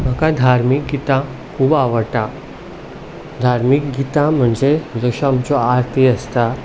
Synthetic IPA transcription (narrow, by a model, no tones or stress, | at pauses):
m̤akad̪ʱaɾmik̚ɡit̪ã | kʰuːbaʋəɾʈa | d̪ʱaɾmikɡit̪ãm̤əɳd͡zed͡zəɕɔamt͡ɕɔaɾt̪ʰiəst̪a